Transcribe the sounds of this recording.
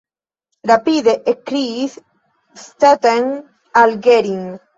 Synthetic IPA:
ɾapiðeʔekɾiθ | st̪et̪eŋ | alɡeɾiŋ

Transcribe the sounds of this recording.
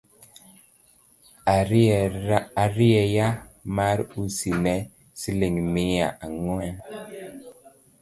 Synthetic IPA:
aɾiɛjamaɾusinɛ | sileŋmijaʔaŋɔa

